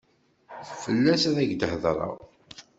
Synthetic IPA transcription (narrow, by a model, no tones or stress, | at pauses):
fəlːæsæðæɡd̪əhðɾˤɑ̰ʁ